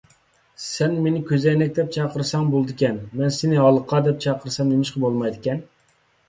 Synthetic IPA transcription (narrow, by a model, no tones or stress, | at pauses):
sɛnmenɪkʲʰøzɛjnɛk̚ʲd̪ɛp̚t͡ʃʰɑqəɾsɑŋbolˠd̪ɪkʲɛnmɛnsenɪɑlˠəqʰːɑd̪ɛp̚t͡ʃʰɑqʰəɾsɑmemɪʃqʰɑbolˠmɑjd̪ɪkʲɛn